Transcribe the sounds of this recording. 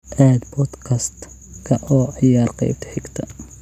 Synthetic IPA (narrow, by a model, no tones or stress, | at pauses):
ʔaːd̪bɔd̪kʰɐst̪ | kʰɐʔɔːʕɪjaːrqɑ̰jb̚t̪ʰɪ̥ħɪɡt̪ʰɐ